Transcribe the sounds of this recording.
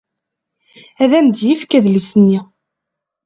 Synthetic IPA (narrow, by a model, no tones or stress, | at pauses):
æðæmd̪jifkæðlisənːi